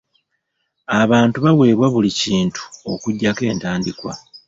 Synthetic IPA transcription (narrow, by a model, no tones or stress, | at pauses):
aβaːntuβawe̞ːβwaβuliciːntu̥o̞kuɟːake̞ːntaːndikwa̰